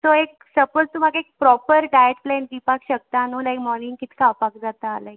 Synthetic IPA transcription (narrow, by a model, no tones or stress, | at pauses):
t̪oeksəpəlt̪um̤aɡaek̚pɾɔpəɾɖajeʈplɛ̃nʈʋipakɕək̚t̪anuːlajkmɔɾnĩŋɡkit̪ʰi̥kapakd͡zat̪aːlaj